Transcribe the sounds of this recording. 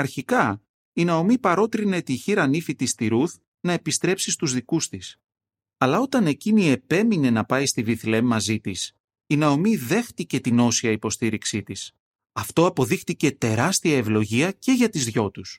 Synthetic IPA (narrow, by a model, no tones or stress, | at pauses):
ɐɾçikɐ | inɐo̞mipɐɾo̞t̪ɾine̞t̪içiɾɐnifit̪ist̪iɾuθ | nɐe̞pist̪ɾe̞psist̪uzðikust̪is | ɐlɐo̞t̪ɐne̞cinie̞pe̞mine̞nɐpɐjst̪iviθle̞mːɐzit̪is | inɐo̞miðe̞xt̪ice̞t̪ino̞siɐipo̞st̪iɾiksit̪is | ɐft̪o̞ɐpo̞ðixt̪ice̞t̪e̞ɾɐst̪iɐe̞vlo̞ʝiɐce̞ʝɐt̪izðʝo̞t̪us